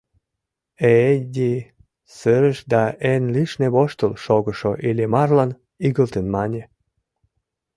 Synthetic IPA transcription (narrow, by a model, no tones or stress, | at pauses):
edʲi | səɾəʃd̪ɑenliʃneβoʃt̪əlʃoɣəʃoʔilʲemɑrlɑn | iɣəlt̪ənmɑnʲe